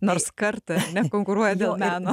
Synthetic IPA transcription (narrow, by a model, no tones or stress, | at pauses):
noɾskɐɾt̪ɐɐɾnʲɛkoŋkʊɾuɔjɛd̪ʲeːlˠmʲæːno